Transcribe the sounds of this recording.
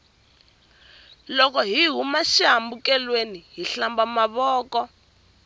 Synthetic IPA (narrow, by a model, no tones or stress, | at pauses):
lɔkɔɦiɦumaʃaɦambukɛlweniɦiɬambamaβɔːkɔ